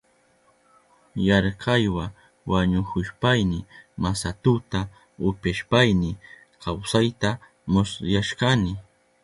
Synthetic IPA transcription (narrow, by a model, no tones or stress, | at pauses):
jɑɾqʰɑjwa | waɲʊkʊʃpajnɪmasat̪ʊt̪a | ʊpaʃpajnɪ | kʰawsajt̪a | mʊsjaʃqɑnɪ